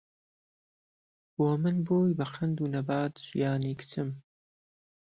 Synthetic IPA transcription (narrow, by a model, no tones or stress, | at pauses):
wɔmɨnboːjbɐqʰɐnd̪uːnɐbaːd̪ʒ̥ḭjaːniːkt̪ʰɨm